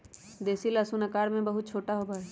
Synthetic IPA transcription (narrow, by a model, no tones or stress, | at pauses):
d̪eːsilasunɐkaːɾmẽbɐɦʊt̪̚t͡ʃʰoːʈaɦobaːɛ